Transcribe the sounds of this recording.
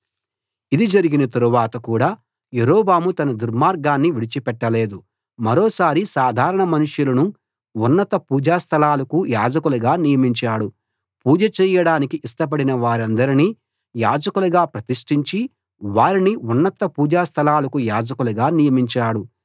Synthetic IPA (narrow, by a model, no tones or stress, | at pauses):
id̪id͡ʒɐɾiɡinɐt̪ɐɾuʋaːt̪ɐkuːɽaː | jeɾɔːbaːmut̪ɐnɐd̪uɾmaːɾɡaːnːiʋiɽit͡ʃipɛʈːɐle̞ːd̪u | mɐɾɔːsaːɾisaːd̪ʱaːɾɐɳɐmɐnuʂjulɐnu | unːɐt̪ɐpuːd͡ʒaːst̪ʰɐlaːlɐkujaːd͡ʒɐkuluɡaːnijɐmiɲt͡ʃaːɽu | puːd͡ʒɐt͡ʃɛːjɐɽaːnikiʔisʈɐp̬ɐɽinɐʋaːɾɐnd̪ɐɾini | ja̰ːd͡ʒɐkuluɡaːpɾɐt̪iʂʈiɲt͡ʃi | ʋaːɾiniunːɐt̪ɐpuːd͡ʒaːst̪ʰɐlaːlɐkujaːd͡ʒɐkuluɡaːnijɐmiɲt͡ʃaːɽu